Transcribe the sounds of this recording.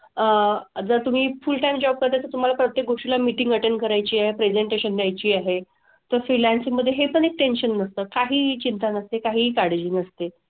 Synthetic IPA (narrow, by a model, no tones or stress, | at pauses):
əd͡zəɾt̪um̤iːfulʈajmd͡ʑɔb̚kəɾt̪at̪əɾt̪um̤alapɾət̪jek̚ɡoʂʈilamiʈĩŋɡəʈenɖkəɾajt͡ɕiːaɦepɾed͡ʑeɳʈeɕənd̪jajt͡ɕiːaɦe | t̪əɾfɾilænsiŋɡməd̪ʱjeɦepəɽek̚ʈenɕənːəst̪əːkaɦiːt͡ɕint̪anəst̪ekaɦiːkaɽ̤ed͡ʑiːnəst̪e